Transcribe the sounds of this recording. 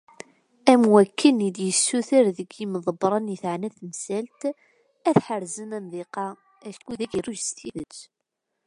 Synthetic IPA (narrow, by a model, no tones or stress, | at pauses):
æmwækːənid̪jəsːuθəɾðəɡiməðˤəbɾˤɑnjəθʕnæθəmsælt̪ | æθħəɾzənænðiqɑ | æʃkːuðæɡiruʒst̪iðət͡sː